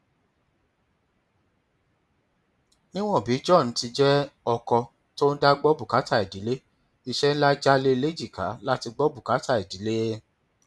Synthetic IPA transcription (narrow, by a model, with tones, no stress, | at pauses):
nĩ˦w̃ɔ̃˦˨bi˨˦d͡ʒɔ̃˦˨n̩˨˦ti˧d͡ʒɛ˦ɔ˧kɔ˧ | to˦n̩˦da˦ɡ͡bɔ˦bu˦˨ka˨˦ta˦˨i˨di˨˦le˦ | i˧ʃɛ˦n̩˦la˦d͡ʒa˦le˦i˧le˦d͡ʒi˦˨ka̰˨˦la˦ti˧ɡ͡bɔ˦bu˦˨ka˨˦ta˦˨e˨di˨˦le˦